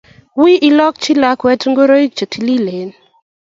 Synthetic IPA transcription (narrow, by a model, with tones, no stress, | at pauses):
wi˦ʔi˦lɔ˦k̚t͡ʃi˦la˦kwɛ˦tŋɡo˦ɾo˦i˦k̚t͡ʃə˨tʰi˨li˦le˨n